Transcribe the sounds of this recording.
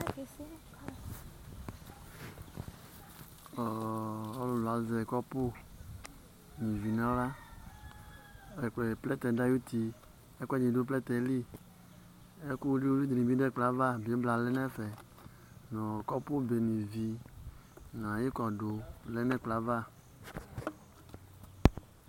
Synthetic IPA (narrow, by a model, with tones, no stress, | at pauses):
ɔ˨ɔ˦lu˨la˨˦zɛ˨kɔ˦po˦ | nĩ˨vi˨nã˦la˦ | ɛ˨k͡plɛ˨plɛ˦t̪ɛ˨da˦ju˦t̪i˨ | e˦kʷɛ˦d͡ʒi˨do˦p̬lɛ˦t̪ɛ˨˦li˦ | e˦ku˦li˦wo˦li˦d̪ɾĩ˨bi˦dɛ˦˨k͡pla˨˦va˦bbla˨lɛ˦nɛ̃˦fɛ˨ | nɔ̃˨kɔ˦po˦be˨nĩ˨vi˨ | nã˨je˦kɔ˨do˨lɛ˦nɛ̃˦k͡pla˨˦va˦˨